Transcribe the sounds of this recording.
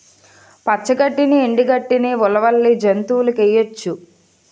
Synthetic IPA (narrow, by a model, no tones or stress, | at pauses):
pɐt͡ʃːɐɡɐʈːinieɳɖiɡɐʈːiniʋulɐʋɐlːid͡ʒent̪uːlɐkejɐt͡ʃːu